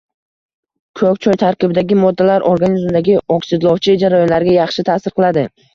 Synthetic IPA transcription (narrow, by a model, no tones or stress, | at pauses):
kʰɵkʲt͡ʃʰɒjt̪ʰaɾkʲɪbɪd̪aɡʲɪmɒd̪ːalaɾʔoɾɡanizmd̪aɡʲɪɒksɪd̪lˠɒwt͡ʃʰɪd͡ʒaɾajɒnlaɾɪɡʲajɑχʃɪt̪ʰaːsɪɾqʰɨlad̪ɪ